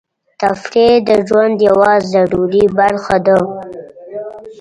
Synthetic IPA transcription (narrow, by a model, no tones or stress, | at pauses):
t̪afɾed̪əʒwand̪jawɑzaɽuɾibaɾxad̪ə